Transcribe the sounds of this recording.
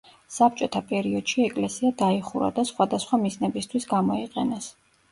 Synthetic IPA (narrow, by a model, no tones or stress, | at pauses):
sap̚t͡ʃʼɔt̪ʰapʼɛɾiɔd̪̥ʃiɛkʼlɛsiad̪aiχuɾa̰d̪asχwad̪asχwamiznɛbist̪ʰwisɡamɔiqʼɛnɛs